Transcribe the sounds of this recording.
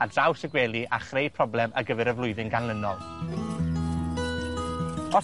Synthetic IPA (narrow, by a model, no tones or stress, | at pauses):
adrawsəɡwɛːlˠiʔa̰χrejpʰrɔblɛməɡəvɛɾəvlˠʊɨðɪŋɡanlˠənɔlˠ | ɔ